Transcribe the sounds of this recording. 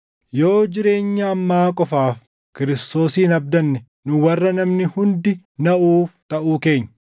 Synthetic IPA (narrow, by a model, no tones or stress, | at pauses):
jo̞ːd͡ʒɪɾe̞ːɲːɐːmːaːkʼɔfaːf | kɪɾɪst̪o̞ːsiːnɐbd̪ɐnːɛ | nʊwɐrːɐnɐmnɪhʊnd̪ɪ | nɐʔuːft̪ɐʔuːke̞ːɲːɐ